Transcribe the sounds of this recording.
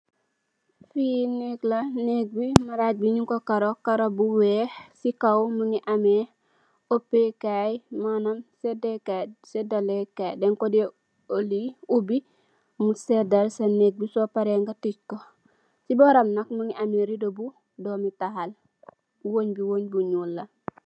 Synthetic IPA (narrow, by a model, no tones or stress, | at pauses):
fineklaneɡ̚bimaɾaɟ̚biɲiŋkokaɾokaɾobuwesikawmuŋiʔame | opːekajmanamsedekasedalekajdeŋkode | oliubi | musedalsaneɡ̚bisopaɾeŋɡatit͡ʃko | siboɾamnakmuŋiʔameɾidobu | domitahal | woɲbiwoɲbuɲulːɐ